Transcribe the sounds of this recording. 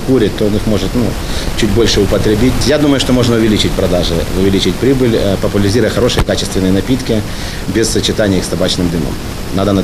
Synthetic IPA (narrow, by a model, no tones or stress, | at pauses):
kuɾʲɪt̚ʲt̪ːoonɨxmo̞ʐɨt̪nu | t͡ɕut̚ʲbo̞lʲʂɨʊpət̪ɾʲɪbʲitʲjad̪uməjʊʂt̪o̞mo̞ʐnəʊvʲɪlʲit͡ɕɪtʲpɾɐd̪aʐɨ̰ʊvʲɪlʲit͡ɕɪtʲpɾʲibɨlʲpəpʊlʲɪɾʲɪzʲiɾʊjəxɐɾo̞ʂɨjəkat͡ɕɪst̪vʲɪnəjənɐpʲit̪kʲɪ | bʲɪssət͡ɕɪt̪anʲɪjixst̪ɐbat͡ɕnɨmd̪ɨnə̰m | nad̪ənɐ